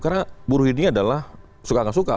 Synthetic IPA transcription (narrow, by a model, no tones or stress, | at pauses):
karnabuɾuhiniadalah | sukakansuka̰